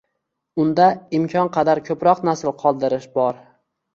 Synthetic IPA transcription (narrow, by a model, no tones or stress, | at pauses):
ʊnd̪aɪmkʲʰɒnqʰɑd̪aɾkʲʰɵpɾɒqnasɪlˠqʰɒlˠd̪ɪɾɪʃbɒɾ